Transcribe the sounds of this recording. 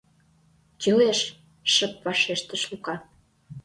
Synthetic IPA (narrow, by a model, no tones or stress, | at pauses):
t͡ɕəleʃ | ʃəpvɑʃeʃt̪ə̆ʃlukɑ